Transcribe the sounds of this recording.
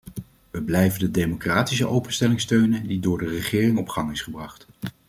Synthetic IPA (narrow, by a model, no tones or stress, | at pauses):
ʋəblɛjvəndədejmokraːtisəʔowpənstɛlɪŋstøɥnədidʊːɹdərəχɪːrɪŋɔpχɑŋɪsχəbrɑχt